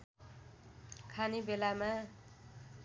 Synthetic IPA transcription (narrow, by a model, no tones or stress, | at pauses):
kʰanibelama